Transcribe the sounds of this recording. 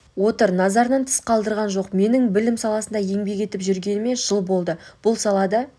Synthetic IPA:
wo̞t̪əɾnɑzɑɾnɑnt̪ʰɪ̥sqʰɑlˠd̪əɾʁɑnʒo̞qme̞nɪŋbɪlɪmsɑlˠɑsənd̪ɑje̞ŋbe̞kʲe̞t̪ɪpʒʏɾɡʲe̞nɪme̞nʒ̥əlˠbo̞lˠd̪əb̥ʊlˠsɑlˠɑd̪ɑ

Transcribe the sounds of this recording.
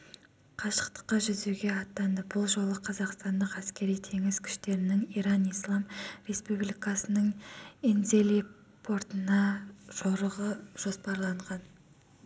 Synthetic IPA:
qʰɑʃə̥qt̪ə̥qːɑʒʏzuɡʲe̞ɑt̪ːɑnəbʊlˠʒo̞lˠəqʰɑzɑqst̪ɑnd̪əqæskʲe̞ɾijt̪ʰe̞ŋɪz̥kʲʰʏ̥ʃt̪e̞ɾɪnɪŋiɾɑnijslˠɑmɾe̞spublijkɑsənəŋenze̞li | pʰo̞ɾt̪ənɑʒ̥oɾəʁəʒ̥o̞spɑɾlˠɑɴʁɑn

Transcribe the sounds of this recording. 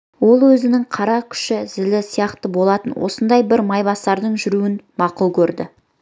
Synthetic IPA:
wo̞lˠwɵzɪnɪŋqʰɑɾɑkʲʰʏ̥ʃɪzɪlɪsijɑqt̪əbo̞lˠɑt̪ənwo̰sənd̪ɑjbɪɾmɑjbɑst̪ɑɾd̪əɴʒʏɾuwɪnmɑqulˠkʲʰɵɾd̪ɪ̰

